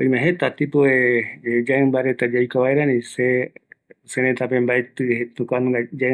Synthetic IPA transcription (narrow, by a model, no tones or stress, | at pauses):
oimãɦet̪at̪ipoeed͡ʒambaɾet̪ad͡ʒajkaʋaeɾanĩse | seɾẽt̪apembaet̪ɨɦet̪ũkʷanũad͡ʒa